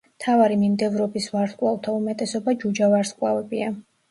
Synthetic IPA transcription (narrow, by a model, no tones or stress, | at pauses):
t̪ʰavaɾimimd̪ɛvɾɔbisvaɾt̪kʼwalˠt̪ʰaumɛt̪ʼɛsɔbad͡ʒud͡ʒavaɾskʼwa̰vɛbia